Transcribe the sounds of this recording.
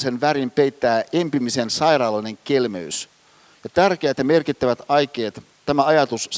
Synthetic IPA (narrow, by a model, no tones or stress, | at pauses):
senʋæɾimpejt̪ːæːʔe̞mpimise̞nsɑjrɑːlɑne̞ŋke̞lmḛys | jɑt̪ærk̟eæt̪æme̞rkit̪ːæʋæt̪ɑjkeːt̪ | t̪æmæɑjɑt̪us